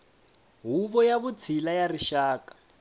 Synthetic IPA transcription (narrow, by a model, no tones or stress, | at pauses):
ɦuβɔjaβut͡sʰilajariʃaːkḁ